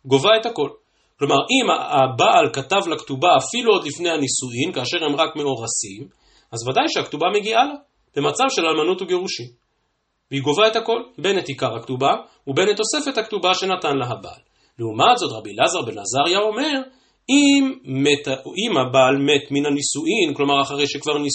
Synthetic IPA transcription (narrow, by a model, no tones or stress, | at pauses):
ɡo̞vae̞thako̞l | klo̞maʁʔimaabaʔalkatavlaktubaːfiluo̞dlifne̞jhanisuimkaːʃe̞ʁhemʁakme̞o̞ʁasim | azvadajʃeaktubame̞ɡiala | b̥e̞mat͡savʃe̞lalmanutuɡeʁuʃim | veiɡo̞vaethako̞lbe̞nethikaʁhaktuba | ube̞net̪ːo̞se̞fe̞thaktubaʃe̞natanlaɦaba̰ʔalː | eumazo̞tʁabilazaʁbenazaʁjao̞me̞ʁ | imːetimabalme̞tminanisuʔimklo̞maʁaχaʁejʃekvaʁni